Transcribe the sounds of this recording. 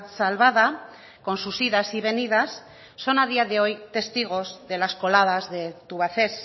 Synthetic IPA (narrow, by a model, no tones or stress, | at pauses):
t̪salβaða | ko̞nsusiðasiβ̞e̞nið̞asː | o̞nað̞iað̞e̞o̞jt̪e̞st̪iɣ̞o̞zðe̞lasko̞lað̞azðe̞t̪uβ̞aθe̞s